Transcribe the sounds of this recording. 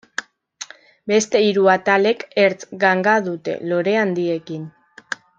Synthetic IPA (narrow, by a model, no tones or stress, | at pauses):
be̞st̪e̞iɾuat̪ale̞keɾt͡sɡaŋɡaðut̪e̞̰lo̞ɾe̞and̪ie̞kin